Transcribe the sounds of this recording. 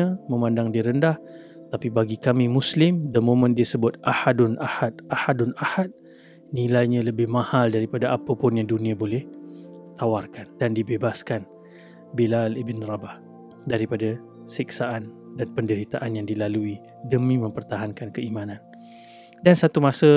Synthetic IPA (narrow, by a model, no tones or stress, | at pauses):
aməmandaŋdiɾəndah | t̪apibaɡikamimuslɪmdəmõmə̃ndiəsəbʊt̪̚ʔahadʊnahat̪̚ahadʊnahat̪̚ | nilajɲãləbɪhmãhaldaɾipadaʔapəpʊnjaŋdunĩabolɛht̪awarkandandibebaskan | bilalibənrabah | daɾipada | siksaʔan | danpəndəɾit̪aʔanjaŋdilalui | dəmĩmə̃mpərt̪aɦankankəimanan | dansat̪umasə